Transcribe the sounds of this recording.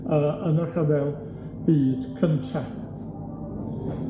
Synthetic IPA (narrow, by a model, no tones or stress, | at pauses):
əʔənəχavɛlˠ | b̥iːd̥kʰəntʰa